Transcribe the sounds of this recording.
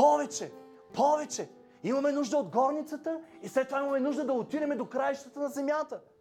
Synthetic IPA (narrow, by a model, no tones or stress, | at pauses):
pɔvɛt͡ʃɛ | pʰɔvɛt͡ʃɛ | imɐmɛnuʒd̪əod̪ɡɔɾnit̪sət̪əislɛt̪ːovaimɐmɛnuʒd̪əd̪ɐot̪id̪ɛmɛd̪okɾajʃt̪ət̪ənɐzɛmjat̪ə